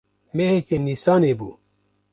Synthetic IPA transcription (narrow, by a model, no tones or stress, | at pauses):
meɦekenisaːnebṵː